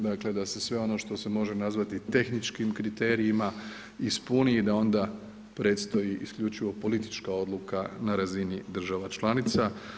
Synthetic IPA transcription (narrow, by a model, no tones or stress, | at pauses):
d̪akle̞d̪ase̞sʋe̞o̞no̞ʃt̪o̞se̞mo̞ʒe̞nazʋat̪it̪e̞xnit͡ʃkimkɾit̪e̞ːɾiima | ispuniːd̪ao̞nd̪a | pɾe̞t̪st̪o̞jiʔiskʎut͡ʃiʋo̞po̞lit̪i̥t͡ʃkao̞d̪lˠukanaɾazinid̪r̩ʒaʋat͡ʃlˠanit̪sa